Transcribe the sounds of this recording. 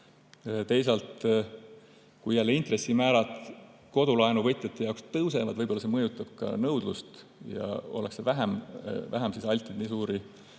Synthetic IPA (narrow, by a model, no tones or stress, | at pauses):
t̪e̞jsɑlt̪ | kujælːeint̪re̞sːimæːɾɑt̪ˑ | ko̞d̪̥ulɑenuvɤt̪jet̪ːˑe̞jɑokst̪ɤwse̞vɑd̪vɤjbolːɑsemɤjut̪ːˑɑb̥̚kɑ̰nɤwd̪̥lust̪ | jɑ̰o̞̰leksevæɦemvæɦɛmsisɑlʲt̪ˑːed̪niːsuːɾi